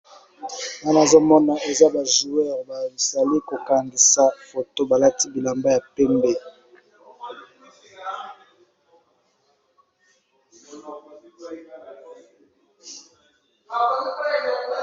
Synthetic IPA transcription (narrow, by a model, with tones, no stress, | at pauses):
na˦na˨zo˦mɔ˦na˨e˨za˦ba˨ʒu˨ɛ˦˨ʁba˨bi˨sa˨li˦ko˨ka˨ŋɡi˨sa˦fo˨to˦ba˨la˦ti˦bi˨la˨mba˦ja˨pɛ˦mbe˦